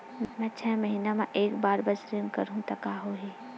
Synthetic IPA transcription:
mmɛ̃t͡ʃʰɛːmɐɦinamãʔeːkbaːɾbɐsɾənkɐɾũt̪ɐkaːɦoːɦiː

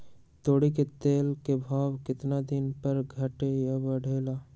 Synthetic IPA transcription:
t̪oːɽiket̪eːlkebʱaːwkɪt̪nad̪ɪnpəɾɡʱəʈejabəɽ̤ʱeːlaː

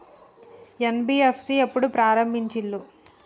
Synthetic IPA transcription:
enbiːefsiepːuɽupɾaːɾɐmbʱiɲt͡ʃilːu

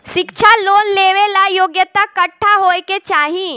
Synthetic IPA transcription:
ʃɪkt͡ʃʰaloːnleːʋelajoːɡjət̪akɐʈʰːaɦoːeket͡ʃaːɦĩ

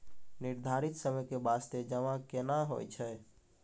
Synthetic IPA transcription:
niɾd̪ʱaɾit̪səməjkebast̪ed͡ʒəʋãkenaɦo̰jt͡ʃʰɛ

